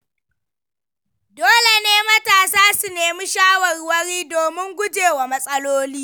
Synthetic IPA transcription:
doː˦le˨neː˦mɐ˦taː˨saː˦su˨neː˨mi˦ʃaː˦wɐ˨rwɐ˦ɽiː˦doː˨mɪ˦ŋɡʷʊ˦d͡ʒeː˨wa˨mɐ˦sʼɐ˦loː˦liː˦

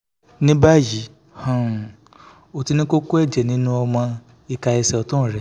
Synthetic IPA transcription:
nĩ˦ba˦˨ji˨˦ | hã˨ | o˨ti˧˦nĩ˦ko˦ko˦ɛ˦˨d͡ʒɛ˨nĩ˨˦nũ˦ɔ˧mã˧ | i˧ka˧ɛ˧sɛ˧˨ɔ˨tũ˦˨ɾɛ˨˦

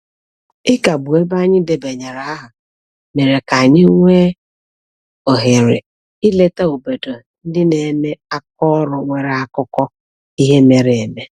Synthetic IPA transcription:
ɪ˦ka˨bu˨e˦ba˦ɲɪ˦de˨be˨ɲe˨ɾa˨a˦ɦʊ˨ | me˨ɾe˨ka˨ɲɪ˦ŋʷe˦ | o˨ɦe˨ɾɪ̰˨ | i˦le˦ta˦o˨bo˨do˨ | n̩˦dɪ˦ne˨˦me˦a˦k̚ɔ˦ɾʊ˨ŋʷe˨ɾa˦˨kʊ˦kɔ˦ | i˦ɦe˦me˨ɾe˨e˨me˦

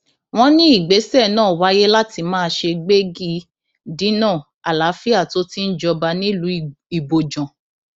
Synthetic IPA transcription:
w̃ɔ̃˦nĩ˦i˦˨ɡ͡be˨˦sɛ˦˨nãː˦˨wa˨˦je˦la˦ti˧mãː˦˧ʃe˧ɡ͡be˦ɡi˦ | dĩ˨˦nãː˦˨ | a˨la˨˦fi˦a˦˨to˧˦ti˦n̩˦d͡ʒɔ˧ba˧nĩ˦lũ˧˦i˨bo˨d͡ʒɔ̃˨

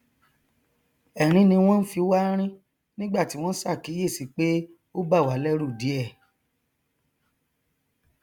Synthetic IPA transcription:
ɛ˨ɾ̃ĩ˧˦nĩ˧w̃ɔ̃˦n̩˦fi˧˦wa˦ɾ̃ĩ˦ | nĩ˦ɡ͡ba˦˨ti˨˦w̃ɔ̃˦sa˦˨ki˨˦je˦˨si˨˦k͡pe˦ | o˦ba˦˨wa˨˦lɛ˦ɾu˦˨di˨˦ɛ˦˨

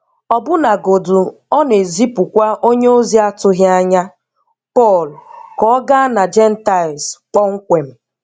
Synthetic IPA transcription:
ɔ˨bʊ˦na˨ɡo˨du˨ | ɔ˦ne˨zi˦pʊ˨kʷa˦ʔo˦ɲe˦o˦zi˦a˦tʊ˦ɦa˦ɲa˦ | pɔ˦˨lkɔ˦ɡa˦na˨d͡ʒɛ˦n̩˦ta˦˨lsk͡pɔ˦ŋ̩˦kʷe˨m̩˨

